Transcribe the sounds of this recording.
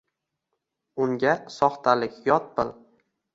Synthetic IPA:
ʊŋɡʲasɒχt̪ʰalɪkʲjɒt̪̚bɪl

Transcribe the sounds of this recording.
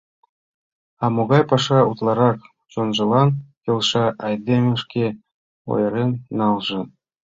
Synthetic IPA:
ɑmoɣɑjpɑʂɑut̪lˠɑɾɑk | t͡ɕonʒɤ̆lˠɑnjɤ̆lˠʂɑʔɑjd̪ʲemʲĕʃkʲe | o̰jɤ̆ɾʲenːɑlˠʒɤ̆

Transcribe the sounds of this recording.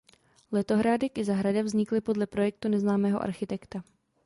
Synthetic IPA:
lɛt̪o̞ɦɾaːdɪkʔɪzaɦɾadavzɲɪklɪpodlɛpɾo̞jɛk̚t̪unɛznaːmɛːɦoʔa̰ɾxɪt̪ɛkt̪a

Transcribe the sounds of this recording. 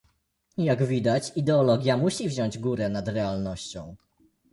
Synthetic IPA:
jaɡvʲid̪at͡ɕid̪ɛɔlɔɡʲjamuɕivʑɔɲd͡ʑɡuɾɛnad̪ɾɛalnɔɕt͡ɕɔ̰̃w̃

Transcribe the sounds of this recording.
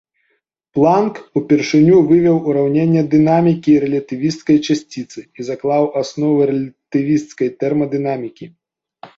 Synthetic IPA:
plˠankupʲɛrʂɨnʲuvɨvʲɐwuɾawnʲenʲːɛd̪ɨnamʲikʲiːɾɛlʲɐt̪ɨvʲist̪skɐjt͡ʂasʲt͡sʲit̪sɨizaklˠawʔasnɔvɨɾɛlʲɐt̪ɨvʲist̪skɐjt̪ɛrmɐd̪ɨnamʲikʲi

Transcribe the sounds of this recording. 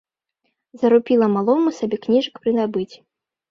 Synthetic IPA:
zɐɾupʲilˠɐmalˠɔmɐsabʲɛknʲiʐɐkpɾɨnabɨt͡sʲi

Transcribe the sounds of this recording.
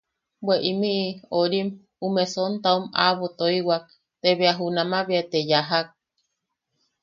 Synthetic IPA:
bweʔimiʔioɾim | umesont̪auma̰βot̪oiwak̚ | t̪eβeaɦunamaβeat̪ejaɦak̚

